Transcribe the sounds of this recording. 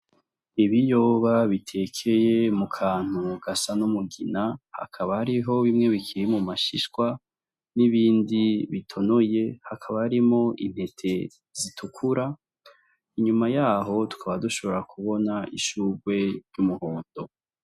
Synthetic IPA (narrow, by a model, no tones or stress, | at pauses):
iβijo̞βaβitʰe̞kʰe̞je̞mukʰaːn̥uɡ̥asanumuɡinaha̰kʰaβahaɾiɦo̞βimŋe̞βikʰiɾimumaʃiʃkwa | niβiːndiβitʰo̞no̞je̞hakʰaβahaɾimo̞ʔin̥he̞tʰe̞ | z̥itʰukʰuɾa | iɲumajaːɦo̞tu̥kʰaβaduʃo̞βo̞ɾakʰuβo̞naʔiʃuːɡwe̞ɾɟumuhoːndo̞